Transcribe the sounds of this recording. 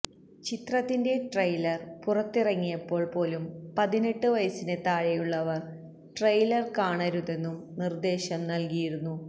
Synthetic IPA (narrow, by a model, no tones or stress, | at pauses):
t͡ɕit̪rɐt̪ːinde̞ʈrɐjlɐrpurɐt̪ːirɐŋːijɐpːo̞ːɭpo̞ːlumpɐðineʈːɨʋɐjɐsine̞t̪aːɻejuɭːɐʋɐr | ʈrɐjlɐrkaːɳɐɾuðe̞nːumnird̪e̞ːɕɐmnɐlkijiɾunːu